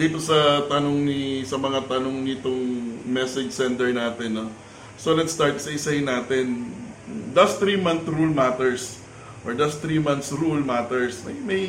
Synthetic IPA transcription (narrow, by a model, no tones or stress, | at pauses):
d̪iːt̪o̞sɐt̪ɐnoŋnisɐmɐŋat̪ɐnoŋnɪt̪oŋmɛsɛd͡ʒsɛnt̪ɛɹnaːt̪ɛnːo̞ | solɛt̪st̪aɹt̪̚ksɐɪsɐjɪnaːt̪ɛn | d̪ast̪ɾiːmãnθɾulmat̪ɛɹs | ʔoɹd̪ɐst̪ɾimant̪sɾulmat̪ɛɹsmɐjmɐj